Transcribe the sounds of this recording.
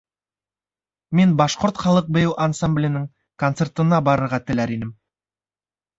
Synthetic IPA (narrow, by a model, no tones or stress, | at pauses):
menbɑʃqoɾt̪χɑlˠɤq̚bɵ̆jɘwʔansamblʲɪjnɘŋ | kont̪se̞rt̪ɤ̆nɑbɑɾɤ̆ɾʁɑt̪ɘ̆læɾinɘm